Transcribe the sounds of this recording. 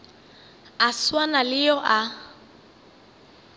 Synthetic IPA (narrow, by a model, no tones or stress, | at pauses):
aswanalɪjɔʔa